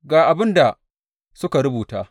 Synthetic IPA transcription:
ɡaː˨ʔa˨bɪ˦nda˨ | sʊ˦ka˨ɽʊ˦buː˨taː˦

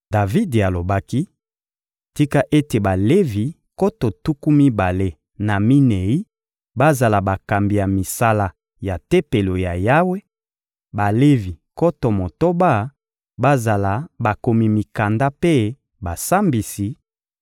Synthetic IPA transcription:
da˨vi˦da˨lo˨ba˦ki˦ | ti˦ka˦ʔe˦te˨ba˨le˦vi˨ | ko˦to˨tu˦ku˦mi˦ba˨le˦ | na˨mi˦ne˨i˦ | ba˦za˨la˨ba˨ka˨mbi˨ja˨mi˨sa˦la˦ | ja˨te˦pe˨lo˨ja˨ja˦we˦ | ba˨le˦vi˨ko˦to˨mo˨to˦ba˦˨ | ba˦za˨la˨ba˨ko˨mi˨mi˨ka˨nda˦pe˦ | ba˨sa˦mbi˨si˨

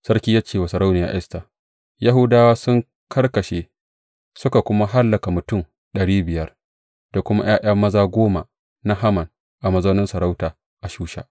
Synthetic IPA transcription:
sɐ˦ɽkʲi˦ja˦t͡ʃeː˦˨wa˨sɐ˨ɾa˦wnɪ˨ja̰ː˨ʔɪ˦sta˨ | ja˦ɦʊ˦daː˦waː˦sʊ˦ŋ | kʰɐ˦rkɐ˨ʃe˨ | sʊ˦ka˨kʷʊ˦ma˦ɦa˦lːɐ˨ka˨mʊ˨tʊ˦˨m | ɗɐ˨ɽiː˦bɪ˨jɐ˦r | d̥a˨kʷʊ˦ma˦j̰aː˦j̰ɐ˦mːɐ˦zaː˦ɡʷoː˦ma˨ | na˦ɦa˦mɐ˨n | ʔa˨mɐ˨zɐ˦nɪ˦nsɐ˨ɾa˦wtaː˨ | ʔa˨ʃuː˦ʃa̰˦˨ʔ

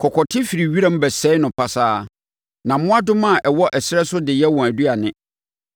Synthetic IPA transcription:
kʰɔ˨kʰɔ˨tʰɪ˦fi˨ɾi˨ɥi˦ɾã˦m̩˦bɛ˨sɛ˦ɪ˦nʊ̃˨pʰa˨saː˦ | nã˨˦mʊ̃˦a˦dʊ˦mã˦˨ʔɛ˨wɔ˦ʔɛ˨sɪ˦ɾɛ˦sʊ˦dɪ˨jɛ˦wɔ̃˨æ˨du˦a˨nɪ̃˦

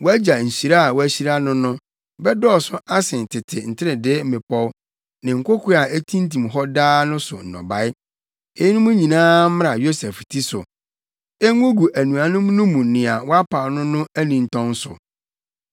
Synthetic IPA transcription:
wɔ˦æ˦d͡ʑa˨n̩˨si˨ɾa˦a˨wɔ˦æ˦ɕi˦ɾa˦nʊ̃˦nʊ̃˦ | bɛ˦dɔː˦˨sʊ˦ʔa˦sɪ̃˨n˨tʰɪ˨tʰɪ˨n̩˨tʰɪ˦ɾɪ˨dɪ˦m̩˦mɪ̃˨pʰɔ˦w | nɪ̃˨ŋ̩˨kʷo˦kʰu˦a˨e˦tʰĩ˦n˦tʰĩ˨mɦɔ˦daː˦nʊ̃˦sʊ̰˨n̩˨nɔ̰̃˨ba˨˦ɪ˦ | e˦nʊ̃˦mũ˦ɲĩ˨nãː˦m˦a˨jo˦sɛ˨ftʰi˦sʊ̰˨ | e˦ŋʊ̃˦ɡu˨ʔæ˨nũ˨a˨nʊ̃˦mnʊ̃˦mũ˨nɪ̃˨a˨wɔ˦a˦pʰa˨nʊ̃˦nʊ̃˦æ˦nĩ˨n̩˨tʰɔ̃˦n˦sʊ̰˨

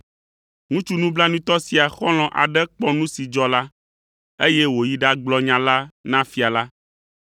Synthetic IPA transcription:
ŋũ˦t͡ʃu˦nũ˦bla˦nũ˦t̪ɔ˦si˨a˨xɔ̃˦l̃ɔ̃˨ʔa̰˨ɖɛ˦k͡pɔ˦nũ˦si˨d͡ʒɔ˦la˦ | e˦jɛ˦wo˨ji˦ɖa˦ɡ͡blɔ˦ɲã˨la˦nã˦fi˨a˨la˦

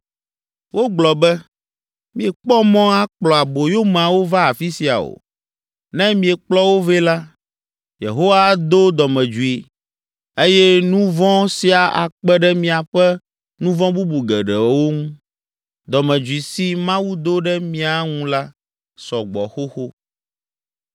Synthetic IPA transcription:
wo˦ɡ͡blɔ˨bɛ˦ | mĩ˨ɛ˨k͡pɔ˦mɔ̃˦a˦k͡plɔ˨a˨bo˨jo˦m˨a˨wo˦va˦a˨fi˦si˨a̰˨o̰˨ | nɛ̃˦mĩ˨ɛ˨k͡plɔ˦wo˦vɛ˦la˦ | jḛ˨ɦo˦wa˦d̪o˦d̪ɔ˨mɛ̃˨d͡ʒu˨i˨ | e˦jɛ˦nũ˦vɔ̃˦si˦a˨ʔa˨k͡pɛ˦ɖɛ˦mĩ˦a˨ɸɛ˦ | nũ˦vɔ̃˦bu˦bu˨ɡɛ˨ɖɛ˨wo˦ŋũ˦ | d̪ɔ˨mɛ̃˨d͡ʒu˨i˨si˦mã˦wu˦d̪o˦ɖɛ˦mĩ˦a˨ŋũ˦la˦ | sɔ˨ɡ͡bɔ̰˨xo˦xo˦

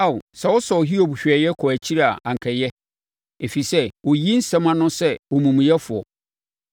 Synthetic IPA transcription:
a˦˨sa˨wɔ˦sɔ˨ɦi˦o˨bɕᶣɛ˨jɛ˦kʰɔ˨æ˨t͡ɕʰi˦ɾa˨ã˨ŋ̩˨kʰɛ˨jɛ˦ | e˨fi˨sɛ˦wɔ˨ji˦n̩˦sɛ̃˦mã˦nʊ̃˦sɛ˦wɔ˨mũ˨m̃˨jɛ˦fʊ˨ɔ˨

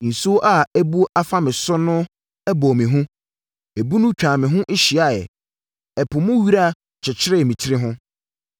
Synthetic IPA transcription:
n̩˨su˦ʔa˨æ˦bu˦a˦fa˦mɪ̃˨sʊ˦nʊ̃˦ | ɛ˦bɔ˨mɪ̃˨ɦʊ̃˦ | e˨bu˦nʊ̃˦t͡ɕᶣãː˨mɪ̃˨ɦʊ̃˦ʔɪ˦ɕi˨a˨jɛ̰˨ | ɛ˨pʰʊ˨mʊ̃˦ɥi˦ɾa˦˨ | t͡ɕʰɛ˨t͡ɕʰɪ˦ɾɪ˦˨mĩ˨t͡ɕʰi˦ɾɪ˦ɦʊ̃˦

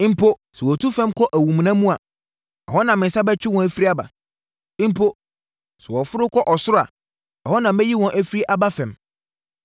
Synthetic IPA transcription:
m̩˦pʰo˦sɛ˨wɔ˨tʰu˦fɛ̃˦mkʰɔ˦ʔæ˨wũ˨m˨nã˦mũ˦a˨ | ɛ̰˨hɔ˦nã˨mɪ̃˨n˦sa˦bɛ˦t͡ɕᶣɪ˦wɔ̃˨æ˨fi˦ɾi˦a˦ba̰˨ | ɪ̃˦m̩˦pʰo˦ | sɛ˨wɔ˨fʊ˦ɾʊ˦kʰɔ˦ʔɔ˨sʊ˦ɾʊ˦a̰˨ | ɔ˨hɔ˦nã˨mɛ̃˦ji˦wɔ̃˨nʔæ˦fi˦ɾi˦ʔa˦ba˦fɛ̃˨m

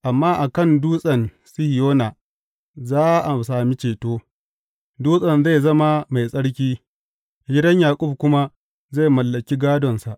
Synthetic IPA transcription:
ʔa˨mːaː˦ʔa˨kɐ˦˨nduː˦sʼɐ˨n | sɪ˦hɪ˨joː˦naː˨ | zaː˦ʔa˨saː˨mi˦t͡ʃeː˨toː˦ | duː˦sʼɐ˨nza˦˨zɐ˦ma˦ma˨jsʼɐ˦ɽk̬ʲiː˦˨ | ɡʲɪ˦dɐ˦ɲjaː˨kʷʼʊ˦b̚kʷʊ˦ma˦ | za˦˨jmɐ˨lːɐ˨kʲi˦ɡaː˦dɔ˨nsa˨ʔ

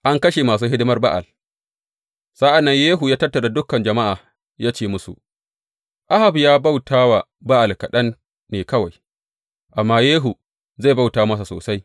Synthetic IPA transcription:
ʔa˦ŋkɐ˦ʃe˨maː˨s̬uː˦ɦɪ˦dɪ˦mɐ˦rba̰˦ʔa̰˨l | sa˦ʔa˨nːɐ˦ɲjeː˦ɦu˨jaː˦tɐ˦rtːɐ˨da˨dʊ˦kːɐ˨nd͡ʒɐ˨ma˦ʔaː˨ | jaː˦t͡ʃeː˦mʊ˦sṵ˨ | ʔa˦ha˨bjaː˦ba˦wtʰaː˦wa˨ | ba˦ʔa˨lkɐ˨ɗɐ˦nː | eː˨kɐ˦wa˨j | ʔa˨mːaː˦jeː˦ɦu˨ | za˦˨ba˦˨wtaː˨˦mɐ˦s̬a˨so̰ː˨sa˦j

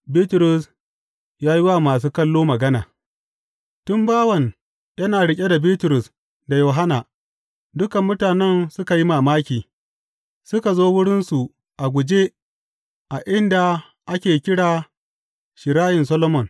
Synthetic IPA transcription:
biː˦tʊ˨ɾʊ˨s | jaː˦ji˦wa˦˨maː˨s̬uː˦kɐ˦lːoː˦mɐ˨ɡɐ˦na̰ː˨ | tʊ˦mbaː˦wɐ˨n | jɐ˦naː˨ɽɪ˦kʲʼe˦da˨biː˦tʊ˨ɾʊ˨s | da˨joː˨ɦa˦naː˨ | dʊ˦kɐ˨mːʊ˦taː˨nɛ˦˨nsʊ˦ka˨ji˦maː˨maː˦kʲiː˨ | sʊ˦ka˨zoː˦wʊ˦ɽɪ˦nsu˨ | ʔa˨ɡʷʊ˨d͡ʒe˦ | ʔa˨ʔɪ˦nda˨ | ʔa˦kʲeː˨kʲɪ˦ɽaː˨ | ʃɪ˨ɾaː˦jɪ˨nsɐ˦lɔ˦mɔ˨n

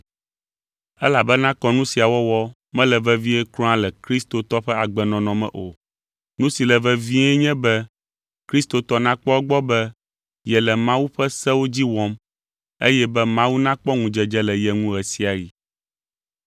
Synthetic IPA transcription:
ɛ˦la˨bɛ˦nã˦kɔ˦nũ˦si˨a˨wɔ˦wɔ˦ | mɛ̃˦lɛ˨vɛ˦vi˦ɛ˦klɔ̃˦ã˦lɛ˨kɾi˦st̪o˨t̪ɔ˦ɸɛ˦a˨ɡ͡bɛ˨nɔ̃˨nɔ̃˨mɛ̰̃˦ʔo˨ | nũ˦si˨lɛ˨vɛ˦vi˦ɛ˦ɲɛ̃˦bɛ˦ | kɾi˦st̪o˨t̪ɔ˦nã˦k͡pɔ˦ɡ͡bɔ˦bɛ˦ | jɛ˨lɛ˨mã˦wu˦ɸɛ˦sɛ˦wo˦d͡ʑi˦wɔ˦m | e˦jɛ˦bɛ˦mã˦wu˦nã˦k͡pɔ˦ŋũ˨d͡ʒɛ˨d͡ʒɛ˦lɛ˨jɛ˨ŋũ˦ɣɛ˨si˨a˨ji˨

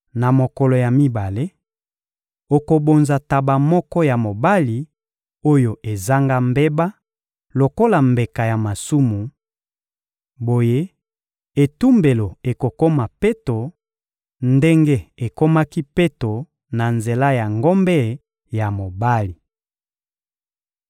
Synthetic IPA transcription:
na˨mo˨kɔ˨lo˨ja˨mi˦ba˨le˦ | o˨ko˨bo˨nza˨ta˨ba˨mɔ˦kɔ˦ja˨mo˨ba˦li˨ | o˦jo˨ʔe˨za˦ŋɡa˦mbe˦ba˦ | lo˨ko˦la˨mbe˨ka˨ja˨ma˨su˦mu˨ | bo˨je˦ | e˨tu˦mbe˨lo˨e˨ko˨ko˦ma˨pe˦to˨ | nde˦ŋɡe˦e˨ko˦ma˦ki˦pe˦to˨ | na˨nze˨la˦ja˨ŋɡo˦mbɛ˦˨ | ja˨mo˨ba˦li˨

